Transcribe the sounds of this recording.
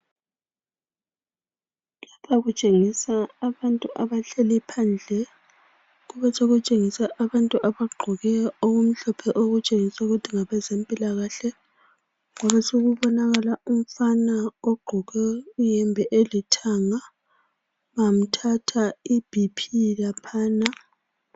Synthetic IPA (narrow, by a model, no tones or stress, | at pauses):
lapʰaɣut͡ʃʼeŋisaːβantʼuʔaβaɬelipʰand͡ɮʱɛ | ɣuβɛt͡ʃoɣut͡ʃʼeŋisɛʔaβantʼuʔaβaɡ͡ǃʱɔɣɛoɣum̩ɬɔpʰɛʔoɣut͡ʃʼeŋisauɣutʰiŋaβɛzempʼilaɣaɬɛ | ŋwaβasoɣuβɔnaɣalaum̩fanaoɡ͡ǃʱɔɣɛujɛmbʱɛʔelitʰaŋa | βam̩tʰatʰaib̥ʱipʰilapʰaːna